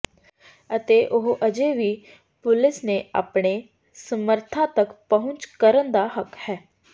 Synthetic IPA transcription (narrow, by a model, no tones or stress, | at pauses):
ət̪eːʔʊɦʔəd͡ʒeːʋiː | pʊlɪsnea̰ːpɳeː | səməɾt̪ʰãt̪əkpəɦʊ̃nt͡ʃkəɾənd̪aːɦəkhɛː